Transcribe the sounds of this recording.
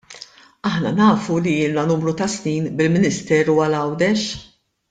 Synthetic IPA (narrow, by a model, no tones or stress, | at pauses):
ɐħnɐnɐːfuliɪːlnɐnuːmɾut̪ɐsniːnbɪlmɪnɪst̪ɛːɾuːɐlɐwd̪ɛʃ